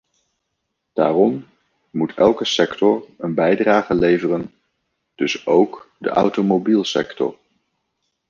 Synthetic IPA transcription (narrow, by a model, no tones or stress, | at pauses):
d̥a̰ːrɔm | mutʰɛlˠkəsɛktɔɹənbɛjdraːχəlejvərən | d̥ɵsowkdə̰ʔɑ̰wtomowbilˠsɛ̰ktɔ̰ɹ